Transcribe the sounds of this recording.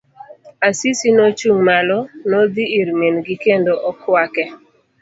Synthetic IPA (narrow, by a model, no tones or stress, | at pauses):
asisinot͡ʃuŋmalɔnod̪iiɾmenɡikendoʔɔkʰwakɛ